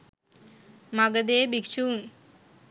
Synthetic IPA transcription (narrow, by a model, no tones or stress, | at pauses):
maɡəd̪eːbikt͡ʃuːn